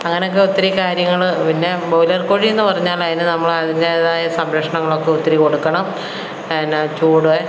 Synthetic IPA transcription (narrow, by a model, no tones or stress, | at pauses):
ɐŋːɐneokːe̞ut̪ːɐɾikaːɾjɐŋːɐɭpinːe̞bɐwlɐrkoːɻienːupɐrɐɲːaːlɐðinɨnɐmːɐɭɐðinde̞ðaːjɐsɐmɾɐkʂɐɳɐŋːɐɭo̞kːeut̪ːɐɾiko̞ɽukːɐɳɐm | nːt͡ɕuːɽue